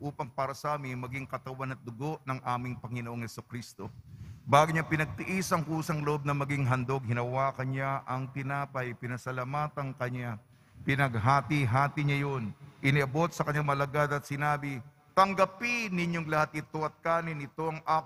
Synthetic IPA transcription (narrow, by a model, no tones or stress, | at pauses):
ʔuːpɐŋpaːɾɐsɐʔaːmɪnmɐɡiŋkɐt̪ɐwanɐt̪̚d̪ʊɡo̞ʔnɐŋʔaːmɪŋpɐŋɪnoʔoŋhɛsukɾist̪o̞baːɡʊɲapɪnɐɡ̚t̪ɪʔisɐŋkuːsɐŋloʔob̚nɐmɐɡiŋɦɐnd̪o̞ɡ̚hɪnɐwaːkɐnɲaʔɐŋt̪ɪnaːpɐjpɪnɐsɐlamaːt̪ɐŋkɐɲa | pɪnɐɡ̚ɦaːt̪iɦaːt̪ɪɲajonʔɪnɪʔɐbo̞t̪̚sɐkɐɲaŋmɐlɐɡad̪ɐt̪̚sɪnaːbɪ | t̪ɐŋɡɐpɪnɪɲoŋlɐhat̪̚ʔɪt̪o̞ʔɐt̪̚kaːnɪnɪt̪o̞ʔɐŋʔaː